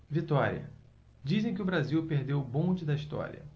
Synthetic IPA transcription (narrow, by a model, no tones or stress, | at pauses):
vit̪ɔɾḭɐ̰ | d͡ʒizẽj̃k̬ɪʊbɾaziwpeɾd̪ewbõd͡ʒɪd̪ɐiʃt̪ɔ̰ɾʲḭɐ̰